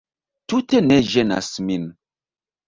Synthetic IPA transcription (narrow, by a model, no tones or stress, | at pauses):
tuteneʒena̰smin